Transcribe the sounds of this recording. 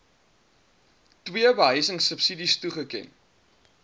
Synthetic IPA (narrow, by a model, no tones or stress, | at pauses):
twiəbəɦəjsəŋsəpsidistuχəkɛ̰n